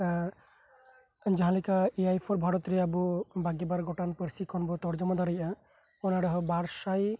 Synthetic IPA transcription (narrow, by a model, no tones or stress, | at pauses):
d͡ʒaɦãlikaejajpʰɔɾbʱɔɾɔt̪ɾeabubaɡebaɾɡɔʈanpəɾsikʰɔnbɔt̪ɔɾd͡ʒɔmɔd̪aɾəjʔa | ɔnaɽɔɦɔbaɾsaj